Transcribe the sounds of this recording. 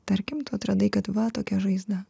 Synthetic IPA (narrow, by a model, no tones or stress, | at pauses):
t̪ɐɾʲkʲɪmt̪uɐt̪ɾɐd̪ɐɪkɐt̪ʋɐt̪oːkʲɛʒɐɪzd̪ɐ